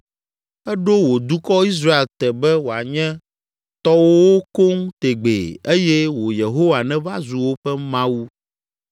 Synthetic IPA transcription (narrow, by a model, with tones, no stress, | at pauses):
ɛ˦ɖo˦wo˨d̪u˦kɔ˦i˦s̬ɾa˦e˨lt̪ɛ˨bɛ˦wo˨a˨ɲɛ̃˦ | t̪ɔ˦wo˦o˦ko˦ŋt̪e˨ɡ͡bḛ˨e˦jɛ˦wo˨je˨ɦo˦wa˨nɛ̃˦va˦zu˨wo˦ɸɛ˦mã˦wu˦